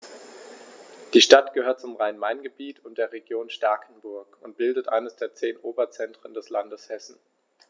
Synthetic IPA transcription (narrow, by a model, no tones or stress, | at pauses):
d̥iːʃtatɡ̥əhøːɐt̚t͡sʊmʁaɪnmaɪnɡəbiːtʰʊntd̥eːɐʁeɡjoːnʃtaɐkʰn̩bʊɐkʊnt̚b̥ɪldətʔa̰ɪnəsd̥eːɐt͡seːnʔoːbɐt͡sɛntʁ̥əndɛslandəshɛsn̩